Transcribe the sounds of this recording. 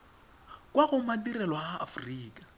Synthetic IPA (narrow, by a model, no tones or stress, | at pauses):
kʼwaɣʊmadirɛlwɔhaʔːfriːkʼḁ